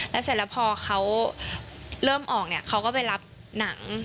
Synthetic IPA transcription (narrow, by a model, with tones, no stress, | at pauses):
lɛː˦˥saː˧˩˦lɛː˦˥wpʰɔː˧xʰa˦˥w | lɤː˥˩mʔɔː˨˩k̚ni˥˩ɐkʰa˦˥wkɔː˥˩pa˨jla˦˥p̚na˨˩˦ŋ